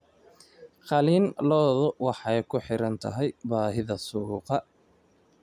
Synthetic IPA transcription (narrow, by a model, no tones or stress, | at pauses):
qɑliːnlɔːðʊwɑħɛjkʰʊħɪɾɐnt̪ʰɐ̰ɦɛjbaːɦɪðɐsuːqɑ